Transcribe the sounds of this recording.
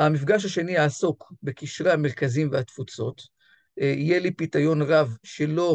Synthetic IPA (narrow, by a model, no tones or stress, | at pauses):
amifɡaʃ̬aʃe̞nijaːsokbekiʃʁeame̞ʁkazimvehat̪fut͡so̞t̪ | ijelipitajo̞nʁavʃelo̞